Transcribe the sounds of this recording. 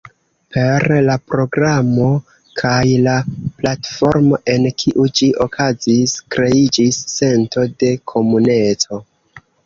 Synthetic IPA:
pʰe̞ɾlapɾo̞ɡɾamo̞ | kʰajlaplatfo̞ɾmo̞ʔe̞nkʰiʔud͡ʒiʔo̞kʰaziskɾe̞id͡ʒisːe̞nto̞de̞kʰo̞mune̞t͡so̞

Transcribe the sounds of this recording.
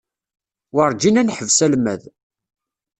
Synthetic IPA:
wəɾˤd͡ʒinænħəvsælmæð

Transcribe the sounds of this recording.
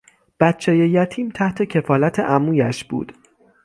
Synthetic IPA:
b̥æt̪t͡ʃʰeːjejæt̪ʰiːmt̪ʰæht̪ʰe̞cʰe̞fɒːlæt̪ʰeʔæmuːjæʃb̥ṵːd̪̥

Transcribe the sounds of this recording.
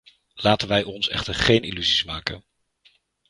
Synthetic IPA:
laːtənʋɛjɔnsɛ̰χtəɹχejnḭlyzismaːkən

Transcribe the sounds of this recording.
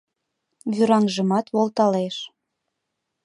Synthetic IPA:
βyɾɑŋʒə̆mɑt̪βolt̪ɑleʃ

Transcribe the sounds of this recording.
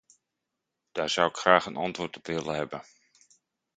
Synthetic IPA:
d̥aːɹz̥awɪkxraːxənɑntʋoːrtɔpʋɪlˠəɦɛbə

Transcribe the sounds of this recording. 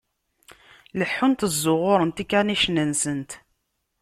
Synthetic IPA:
ləħːʊnt̪əzːʊʁʊɾˤənt̪ikaniʃnənsənt̪

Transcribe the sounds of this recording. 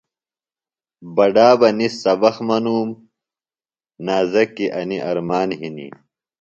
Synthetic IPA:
bɐɖaːbɐnisɐbɐxmɐnuːm | naːzɐkːiʔɐniʔɐɾmaːnɦinḭ

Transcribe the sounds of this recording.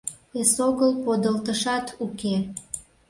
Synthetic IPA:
esoɣəlpod̪əlt̪əʃɑt̪uke

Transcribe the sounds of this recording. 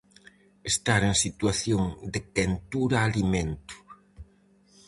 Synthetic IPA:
est̪aɾeŋsit̪waθjoŋd̪ɪkent̪uɾaːlimẽnt̪ʊ̥

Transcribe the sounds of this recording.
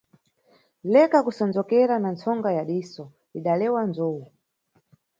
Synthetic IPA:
lɛkakusɔnd͡zɔkɛɾanant͡sʰɔŋɡajaɗisɔ | iɗalɛwand͡zowu

